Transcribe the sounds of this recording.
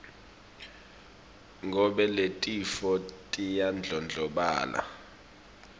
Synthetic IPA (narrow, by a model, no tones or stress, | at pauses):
ŋɡʱɔɓɛletʼifɔtʼijand͡ɮʱɔnd͡ɮʱɔɓa̰ːlʔa̰